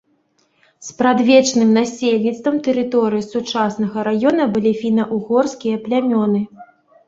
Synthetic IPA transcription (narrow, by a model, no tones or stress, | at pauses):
spɾad̪vʲɛt͡ʂnɨmnasʲelʲnʲit̪st̪vɐmt̪ɛɾɨt̪ɔɾɨjisut͡ʂasn̪ɐɣɐɾajɔnɐbɨlʲifʲinɐʔuɣɔrskʲijɐplʲamʲɔnɨ